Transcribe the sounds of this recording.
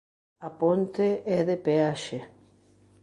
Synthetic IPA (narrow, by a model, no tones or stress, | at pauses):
apont̪eʔɛðepeaʃe